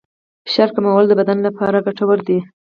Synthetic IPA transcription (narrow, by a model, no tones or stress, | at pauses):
fʃɑɾkamawəld̪əbad̪anlapɑɾaɡaʈawəɾd̪i